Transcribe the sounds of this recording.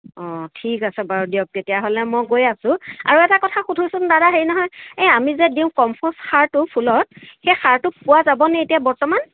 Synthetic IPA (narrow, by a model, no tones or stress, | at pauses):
ɔ̃tʰikasɛbaɹɔdijɔk̚tetijaɦolɛmojɡojasʊ̃a̰ɹuɛtakɔtʰaxudʱusʊndadaɦejnɔɦɔjeamizɛdiʊ̃kɔmpʰɔsxaɹtʊpʰulɔt̚xejxaɹtʊpʊwazabɔnɛetijabɔɹtɔman